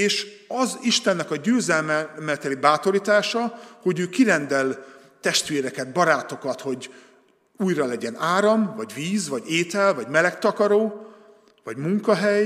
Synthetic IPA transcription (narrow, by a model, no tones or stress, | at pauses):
eːʃɒziʃt̪ɛnːɛkɒɟøːzɛlmɛmɛt̪ɛlibaːt̪o̞ɾiːt̪aːʃɒho̞ɟøːkiɾɛnd̪ɛl | t̪ɛʃt̪ʋeːɾɛkɛd̪̚bɒɾaːt̪o̞kɒt̪ho̞ɟ | uːjrɒlɛɟɛnaːɾɒmvɒɟviːzvɒɟeːt̪ɛlvɒɟmɛlɛkt̪ɒkɒɾoː | vɒɟmuŋkɒɦɛj